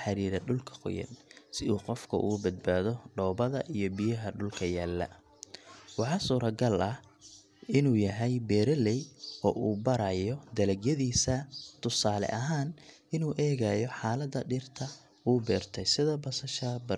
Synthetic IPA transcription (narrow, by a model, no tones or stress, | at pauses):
ħɑɾiːɾɐɖʊlkʰɐ̥qɔ̰jɐ̰nsɪuːqɔfkʰɐ̰ʔuːbɐd̪̚baːðɔɖɔːbɐðɐʔijɔbijɐɦɐɖʊlkʰɐjaːlːɐ̰ | wɑħɑːsuːɾɐɡɐlɐh | ɪnuːjɐɦɛjbɛːɾɐlɛjʔɔːʔuːbɐɾɐjɔd̪ɐlɐɡjɐðiːsɐt̪ʰʊsaːlɛ̰ʔɐɦaːn | ɪnuːʔɛːɣɐjɔħaːlɐd̪ɐɖɪrt̪ʰɐ | uːbɛːrt̪ʰɛjsɪðɐbɐsɐʃɐbɐ